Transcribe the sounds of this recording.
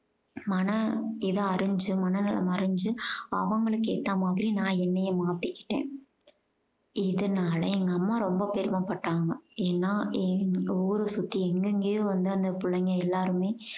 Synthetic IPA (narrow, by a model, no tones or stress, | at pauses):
mɐnɐɪðɐɐɾɯɲd͡ʒɯmɐnɐnɐlɐ̰mɐɾɯɲd͡ʒɯɐ̰ʋɐŋɡɐɭɯkːeːt̪ːaːmaːðɪɾinãːɛnːɛjɐmaːt̪ːɪkːɪ̥ʈːḛːn | ɪðɐnaːlɐ̰ɛŋɡɐːmːaːɾɔmbɐpɛɾɯmɐpɐʈːaːŋɡɐeːnːaːɛɔʋɾɯsʊt̪ːiɛŋɡɯŋɡeːjõːʋɐnd̪ɯɐnd̪ɐpʊɭːɐŋɡɐɛlːaːɾɯmeː